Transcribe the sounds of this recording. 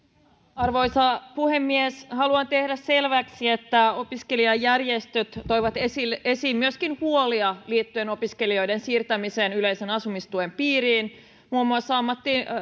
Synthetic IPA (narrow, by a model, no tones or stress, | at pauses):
ɑrʋo̞jsɑpuhemːieshɑluɑnt̪ehdæsselʋæksiet̪ːæo̞piske̞liɑjːærjest̪øt̪t̪ːo̞jʋɑt̪esilesiːmmyøskinhuoliɑliːt̪ːye̞no̞piske̞lio̞jdensiːrt̪æmiseːnylejsenɑsumist̪uempiːɾiːn | muːmːuɑsːɑɑmːɑt̪ːi